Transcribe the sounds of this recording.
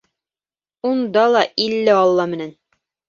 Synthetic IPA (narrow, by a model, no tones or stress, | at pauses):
und̪ɑlˠɑʔilːɘɑlˠːɑmɘ̆næn